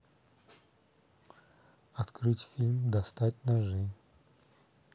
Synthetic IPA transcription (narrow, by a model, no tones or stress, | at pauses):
ɐt̪kɾɨtʲfʲilʲmd̪ɐst̪atʲnaʐɨ